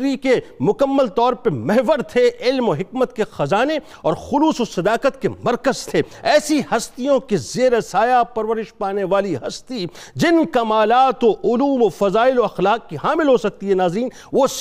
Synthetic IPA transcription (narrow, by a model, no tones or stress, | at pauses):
ikemʊkɐmːəlt̪ɔːɾpɐmɛɦʋəɾt̪ʰeɪlmoɦɪkmət̪kexɐzaːne | ɔːɾxʊluːsosɐd̪aːqət̪kemɐɾkəzt̪ʰeːɛːsihɐst̪ijõkezeːɾesaːjapɐɾʋəɾɪʃpaːneʋaːliɦɐst̪i | d͡ʒɪnkɐmaːlaːt̪oʔʊluːmofɐzaːɪloɐxlaːkːiɦaːmɪlɦosɐk̚t̪iɦɛnaːzɾiːn | ʋos